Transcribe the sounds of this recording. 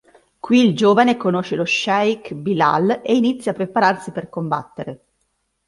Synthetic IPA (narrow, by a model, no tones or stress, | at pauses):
kwild͡ʒoːvanekonoʃeloʃajkbila̰leinit̪sːjapːɾepaɾarsiperkomba̰t̪ːeɾe